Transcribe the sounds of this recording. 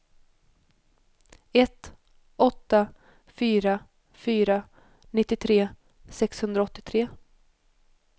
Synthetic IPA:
ɛt̪ | ɔt̪ːa | fyːɾa | fyːɾa | nɪt̪ːɪt̪ʰɾeː | sɛkshɵnd̪ɾaɔt̪ːɪt̪ʰɾeː

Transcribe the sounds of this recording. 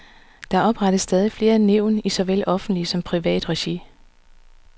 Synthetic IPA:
d̥ɑ̈ʔɒ̽b̥ʁɑ̈ɾ̥əsːd̥ɛːð̞ˠifle̝ːɐæne̝ʊ̰nisɒ̽ʋelɒ̽fn̩d̥lisɒ̽mpʰʁiʋɛ̰ːd̥ʁɛɕi

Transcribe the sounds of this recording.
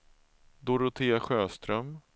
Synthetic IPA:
d̪ʊɾʊt̪ʰeːaɧøːst̪ɾœm

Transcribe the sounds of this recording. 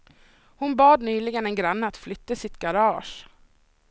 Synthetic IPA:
hʊnbɑːd̪nyːlɪɡənɛnɡɾanːəat̪flʏt̪ːəsɪt̪ɡaɾɑːʂ

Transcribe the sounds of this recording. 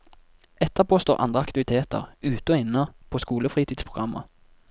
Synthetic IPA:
ɛt̪ʰːəʁpʰoːst̪oːʔɑ̰nd̪ʁəɑkt̪ɪʋɪt̪ʰeːt̪ə̰ʁʉːt̪əɔɪnːɑpʰoːskuːləfʁiːt̪ʰiːd̪spʰʁʊɡɑmʔə̰

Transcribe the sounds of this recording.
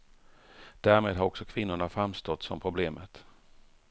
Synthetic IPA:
d̪̥æːɾmeːd̪ɦaɾɔksɔkʰvɪnːʊɳafɾamst̪ɔt̪ːsɔmpʰɾʊbleːmət̪

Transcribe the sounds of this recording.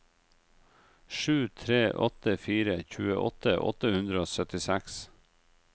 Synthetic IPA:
ʃʉːt̪ʰɾeːʔɔt̪əfiːɾəçʉːə̰ʔɔt̪əʔɔ̰t̪əhʉnd̪ɾəoːsœt̪ɪsæks

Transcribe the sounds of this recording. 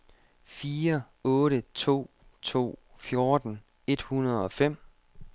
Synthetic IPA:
fiːɐ | ɔ̽ːɾət͡sʰo̝̰ː | t͡sʰo̝̰ːfjo̝ɐd̥n̩ | e̝d̥hunɐð̞̩ˠɒ̽fem̰

